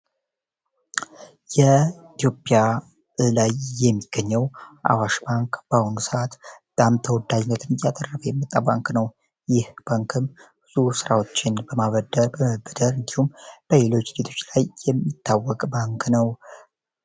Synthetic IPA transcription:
jɛit̪jo̞pʼja | ɨlajːɛmːiɡ̥ːəɲːɛwʔa̰waʃbaŋkb̥ahunsɨat̪bət̪ʼamt̪ʰəwɔd̪ad͡ʒnːət̪ʰɨnɨjat̪ʼərːəfəjɛmːɨt̪ʼːabaŋknəw | jɪhb̥aŋkʰɨmbɨzusɨɾawo̞t͡ʃːɪnbəmaβəd̪əɾbəməbɨd̪əɾɨnd̪ihumb̥əle̞lo̞t͡ʃːɡ̥et̪ʰo̞t͡ʃːlajːɛmːit̪ʰːawːɔkʼbaŋknəw

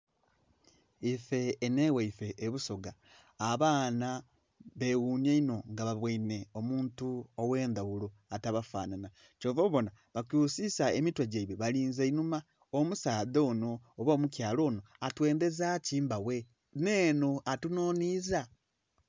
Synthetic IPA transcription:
ife̞ːneːweife̞ʔːβuso̞ɡaː | βaːna | βe̞wuːɲeino̞ŋɡaβaβwaine̞omuːntuowe̞ːnd̪aɣulo̞ | ataβafa̰ːnana | co̞ːβoβo̞na | βakuːsisaemitwaɟaiβeβaliːnzainuma | omusaːðoːno̞ːβoːmucjaːlo̞ːno̞atwe̞ːnd̪e̞zaciːmbawe̞ | neːno̞atunoːniza

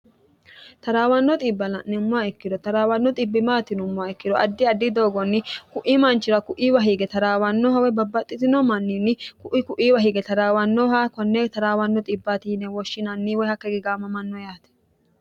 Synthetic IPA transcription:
t̪ɐɾaːwɐnːɔt̪ʼibːɐlɐ̰nːɛmːʊaɛkːɪd̪ɔt̪ɐɾaːwɐnːɔt̪ʼɪbːɪmaːt̪ɪnʊmːʊaɛkːɪd̪ɔʔɐd̪ːɪɐd̪ːɪd̪o̞ːɡɔnːɪkʊʔimɐnt͡ʃːɪɾɐkʊʔiːwɐɦiːɡɛt̪ɐɾaːwɐnːɔːhɐwɛbɐbːɐt̪ʼːɪt̪ɪnɔmɐnːinːɪkʊʔkʊʔiːwɐɦiɡɛt̪ɐɾaːwɐnːɔɦaːkɔnːet̪ɐɾaːwɐnːɔt̪ʼɪbːat̪iːnɛwɔʃːɪnɐnːiːwɔhɐkːɛɡɪɡaːmɐmɐnːɔjaːt̪ɛ̥

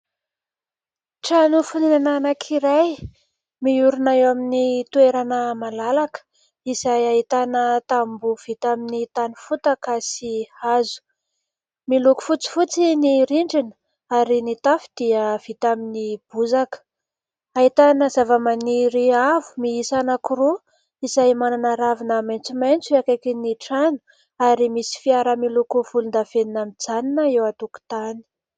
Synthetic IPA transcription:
ʈ͡ʂanufuninananakʰiɾaj | miuɾunajaminit̪ueɾanəmalalakə̥ | izajaɦit̪anət̪ambuv̥it̪aminit̪anifut̪akasihazu̥ | miluku̥fut͡si̥fut͡siniɾiɳɖ͡ʐinə̥ | aɾinit̪afi̥d̪̥iəv̥it̪aminib̥uzakə̥ | aɦit̪anəzavəmaniɾiavu̥miisanakuɾu | izaimananaɾavinamajnt͡sumajnt͡suakakiniʈ͡ʂanu̥ | aɾimisi̥fiaɾəmilukuv̥ulund̪av̥eninamid͡zaninəewat̪uku̥t̪ani̥

